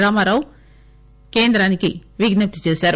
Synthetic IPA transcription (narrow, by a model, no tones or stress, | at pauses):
ɾaːmaːɾaːw | ke̞ːnd̪ɾaːnikiʋiɡnɐp̚t̪i̥t͡ʃeːsaːɾu